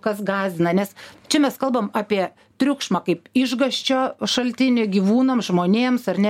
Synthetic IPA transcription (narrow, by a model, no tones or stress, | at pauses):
kɐsɡɑːzʲd̪ʲɪnɐnʲɛst͡ʃʲɛmʲɛskɐlˠbɐmɑːpʲiɛ | t̪ʲɾʲʊkʃmɑːkɐɪpɪʒɡɐʃʲt͡ʃʲoːʃɐlʲt̪ʲɪnʲɪɡʲiːʋuːnoːmsʒmoːnʲeːmsɐrnʲɛ